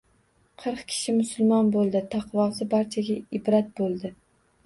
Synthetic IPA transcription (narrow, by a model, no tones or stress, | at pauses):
qʰɨɾqkʲʰɪ̥ʃɪmʊsʊlˠmɒnbolˠd̪ɪt̪ʰaqʰvɒsɪbaɾt͡ʃʰaɡʲaɪbɾat̪̚bolˠd̪ɪ